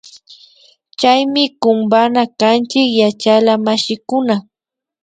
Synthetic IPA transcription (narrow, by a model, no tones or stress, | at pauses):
t͡ʃajmɪkʊmbanakant͡ʃɪkjat͡ʃalamaʃɪkʊna